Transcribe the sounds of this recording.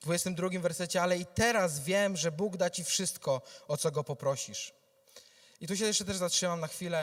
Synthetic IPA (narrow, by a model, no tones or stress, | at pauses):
d̪vujɛst̪ɛmd̪ɾuɡʲimvɛɾsɛt͡ɕɛalɛit̪ɛɾasvʲjɛmʐɛbuɡd̪at͡ɕifʂɘst̪kɔɔt̪sɔɡɔpɔpɾɔɕiʂ | it̪uɕ̬ɛjɛʂt͡ʂɛt̪ɛʐzatʂɘmamnaxfʲilɛ